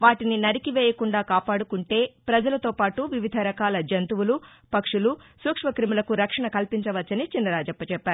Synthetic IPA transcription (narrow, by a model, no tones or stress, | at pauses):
ʋaːʈininɐɾikiʋeːjɐkuɳɖaːkaːpaːɽukuɳʈe̞ːpɾɐd͡ʒɐlɐt̪o̞ːpaːʈuʋiʋid̪ʱɐɾɐkaːlɐd͡ʒɐnt̪uwulu | pɐkʂulusuːkʂʋɐkɾimilɐkuɾɐkʂɐɳɐkɐlpiɲt͡ʃɐʋɐt͡ʃːɐnit͡ʃinːɐɾaːd͡ʒɐpːɐt͡ʃɛpːaːɾu